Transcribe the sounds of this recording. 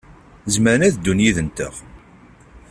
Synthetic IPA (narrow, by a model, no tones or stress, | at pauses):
zməɾənæðd̪ːunjiðənt̪ə̰ʁ